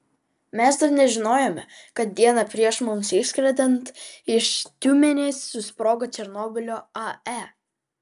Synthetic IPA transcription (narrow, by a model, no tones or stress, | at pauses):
mʲɛsd̪ɐɾnʲɛʒʲɪnoːjoːmʲɛkɐt̪̚d̪ʲiɛnɐpʲɾʲiɛʃmʊmsɪʃsʲkɾʲɛd̪ʲɛnt̪ɪʃt̪ʲuːmʲɛnʲeːsʲsʊspɾoːɡɐt͡ʃ̪ʲɛɾnoːbʲɪlʲoːɐæ